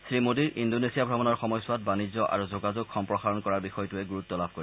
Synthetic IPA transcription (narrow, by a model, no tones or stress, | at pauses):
sɹimodiɹʔindonesijabʱɹɔbɔnɔɹxɔmɔjsʊwat̚banizɔʔa̰ɹuzoɡazoɡxɔmpɹɔxaɹɔnkɔɹaɹbixɔjɔtuɛɡuɹutːɔlab̚ʱkoɹi